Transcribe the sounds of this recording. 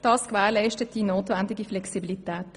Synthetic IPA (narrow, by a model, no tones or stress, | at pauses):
d̥ɑːskʋɛːʁlɛɪʃtətd̥inoːtʋɛndɪɡiflɛksibilit̪ɛːt